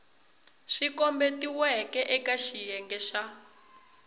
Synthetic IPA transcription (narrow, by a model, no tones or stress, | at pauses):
ʃikɔmbetiwɛkɛʔɛkaʃijɛŋɡɛʃa